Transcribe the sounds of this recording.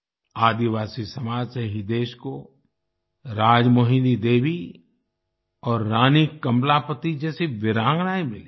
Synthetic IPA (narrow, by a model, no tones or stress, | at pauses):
aːd̪iʋaːsisɐmaːd͡ʒseɦid̪eːʃko | ɾaːd͡ʒmoːɦĩlid̪eːʋi | ɔːɾːaːnikɐmlapət̪id͡ʒɛːsiʋɪɾãːŋɡnaːimɪli